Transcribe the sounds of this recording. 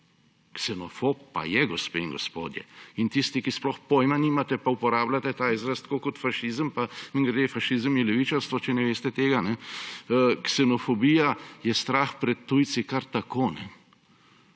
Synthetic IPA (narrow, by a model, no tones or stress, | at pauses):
ksɛnɔfop̚ːa̰jɛɡɔspeːiŋɡɔspo̰ːd̪jɛ̰int̪ist̪ikisplɔxpoːjmaniːmat̪ɛpaupɔɾaːblat̪ɛt̪aːizɾast̪kokɔt̪faʃizəmpamiŋɡɾɛd̪efaʃizəmilɛʋit͡ʃaɾst̪ʋɔt͡ʃɛnɛʋeːst̪ɛt̪eːɡanɛ | ksɛnɔfɔbiːjajɛst̪ɾaːxpɾɛt̪ːuj̪sikaɾt̪akoːnɛ